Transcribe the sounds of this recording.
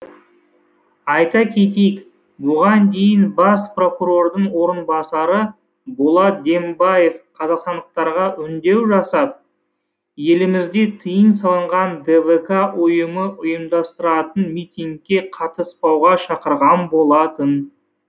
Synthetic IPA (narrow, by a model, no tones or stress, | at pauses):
ɑjt̪ɑkʲʰe̞t̪̬ejk | bʊʁɑnd̪e̞jɪnbɑspro̞kuɾo̞rd̪əɴwo̞ɾənbɑsɑɾə | bolˠɑt̪̚d̪e̞mbɑje̞fqʰɑzɑqst̪ɑnd̪əq̚t̪ɑɾʁɑʔʏnd̪e̞wʒɑsɑd̪ə | je̞lɪmɪzd̪e̞t̪ʰəjənsɑlˠəɴʁɑnd̪evekaʔʊjəməʔʊjəmd̪ɑst̪əɾɑt̪ənmijt̪ʲiŋkʲːe̞qʰɑt̪əspɑwʁɑʃɑqəɾʁɑnbo̞lˠɑt̪ən